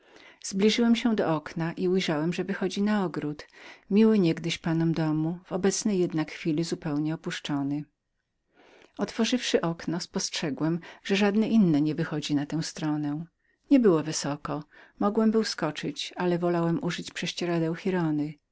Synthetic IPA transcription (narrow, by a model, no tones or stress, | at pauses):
z̥blʲiʐɘwɛmɕɛd̪ɔɔknaʔiujʐawɛmʐɛvɘxɔd͡ʑinaɔɡɾut̪mʲiwɘɲɛɡd̪ɘɕpanɔmd̪ɔmuv̥ɔbɛt̪snɛjːɛd̪nakxfʲilʲizupɛwɲɛɔpuʂt͡ʂɔnɘ | ɔt̪fɔʐɘfʂɘʔɔknɔspɔstʂɛɡwɛmʐ̥ɛʐad̪nɛʔinːɛɲɛvɘxɔd͡ʑinat̪ɛ̃w̃st̪ɾɔnɛ | ɲɛbɘwɔvɘsɔkɔmɔɡwɛmbɘwskɔt͡ʂɘt͡ɕalɛvɔlawɛmuʐɘt͡ɕpʂɛɕt͡ɕɛɾad̪ɛw̃xʲiɾɔnɘ